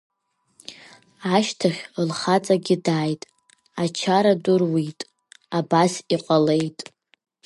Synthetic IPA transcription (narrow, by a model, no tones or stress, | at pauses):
aʃtʰaχʲlχat͡sʼaɡʲɪdaːjtʼ | at͡ʃʰaɾadɨrwitʼ | abasiqʼale̞jtʼ